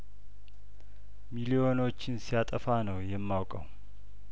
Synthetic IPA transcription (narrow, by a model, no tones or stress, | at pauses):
milio̞no̞t͡ʃːɪnsijat̪ʼəfanəwjɛmːawkʼəw